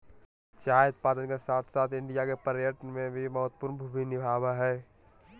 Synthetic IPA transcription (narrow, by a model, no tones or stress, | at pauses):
t͡ʃaːjəd̪̚paːd̪ənkesaːt̪ʰsaːt̪ʰɪ̃ɳɖijakepəɾjəʈənmẽbʱimɐɦət̪pʊɾnbʱubinɪbʱaːbaɦɛː